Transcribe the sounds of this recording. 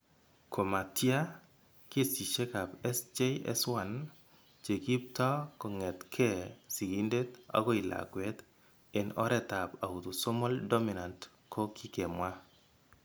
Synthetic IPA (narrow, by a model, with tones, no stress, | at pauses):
kʰo˨ma˨tja˦ | ke˦si˨t͡ʃe˦ka˨pɛ˦sd͡ʒe˦jɛ̰˦swa˦n | t͡ʃe˨ɡi˦p̚tɔ˦kɔ˨ŋɛ˨tkʰɛ˦˨si˨ɡi˦nde˦ta̰˦ɡɔ˦i˨la̰˨kwɛ˦t̪ | e˨nɔ̰˦ɾɛ˦ta˨pa˨u˨t̪u˨so˦mɔ˦ldɔ˦mi˨na˨nt | kʰo˦kʰi˦ke˨mwa˦